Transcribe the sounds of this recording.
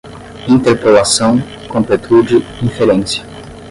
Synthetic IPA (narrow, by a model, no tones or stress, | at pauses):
ĩnt̪eɾpolasɐ̃w̃ | kõmpet̪ʰud͡ʒɪĩfelẽnsɐ̥